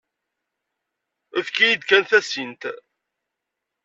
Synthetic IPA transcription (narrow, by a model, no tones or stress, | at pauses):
æðkæjid̪kænθæsint̪